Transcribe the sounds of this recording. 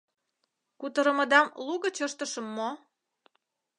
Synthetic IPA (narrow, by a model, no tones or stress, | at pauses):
kut̪əɾə̆mə̆d̪ɑmluɣə̆t͡ɕəʃt̪ə̆ʃə̆mːo